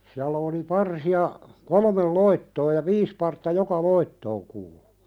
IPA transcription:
siælːæ oli pɑrsiɑ kolmel loitːoː jɑ ʋiːs pɑrtːɑ jokɑ loitːoːŋ kuːlu̥

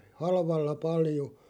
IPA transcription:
hɑlʋɑlːɑ pɑljo

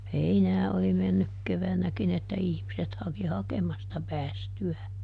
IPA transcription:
heinæː oli menːyk keʋænækin etːæ ihmiset hɑki hɑkemɑstɑ pæːstyæː

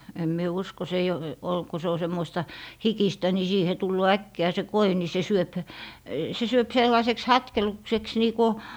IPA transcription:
em mie usko se eij o ol ku se o semːoistɑ hikistæ ni siːhe tulːoː ækːiæˑ se koi ni se syøp se syøp selːɑĭseks hɑtkelukseks niː ku

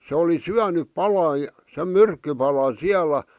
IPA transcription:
se oli syænyp pɑlɑ sem myrkːypɑlɑn̞ siælæ

